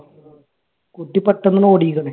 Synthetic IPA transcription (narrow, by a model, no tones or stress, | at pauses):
kut̪ːipːɐʈːɐnːɐnoːɽikːɐɳe